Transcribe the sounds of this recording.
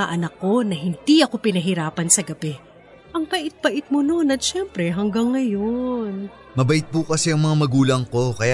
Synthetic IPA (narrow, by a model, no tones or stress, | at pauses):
ɐʔɐnɐkːo̞nɐɦɪnd̪̥iʔɐko̞pɪnɐɦɪɾaːpɐnsɐɡɐbɛ | ʔɐŋpɐʔɪt̪̚bɐʔɪt̪̚mono̞nɐt̪̚ʃɛmpɾɛɦɐŋɡɐŋːɐjon | mɐbɐʔɪt̪̚pukɐsɛɐŋmɐŋamɐɡuːlɐŋko̞kɐja